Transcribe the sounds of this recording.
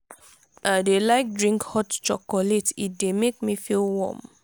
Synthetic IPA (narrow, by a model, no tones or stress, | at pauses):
ʔadelaɪk̚dɹĩŋkhɔtt͡ʃɔkɔletḭt̚demek̚mifilwɔ̰m